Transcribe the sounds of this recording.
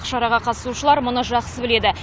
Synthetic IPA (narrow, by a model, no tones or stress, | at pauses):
ʃɑɾɑʁɑqʰɑt̪ə̥suʃəlˠɑɾmʊnəʒɑqsəbɪle̞d̪ɪ